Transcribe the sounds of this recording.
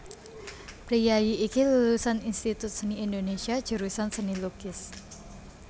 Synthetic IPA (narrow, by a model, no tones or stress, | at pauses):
pɾijajiʔːkilullusaninst̪it̪ʊt̪̚səniindonesiḁd͡ʒ̥əɾusansəniluɡ̥ɪs